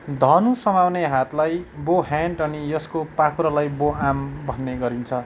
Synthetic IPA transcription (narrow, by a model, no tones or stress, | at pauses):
d̪ʱʌnusʌmawneɦat̪lajboɦaɳʈʌnijʌskopakʰuɾalajboambʱʌnːeɡʌɾint͡sʰʌ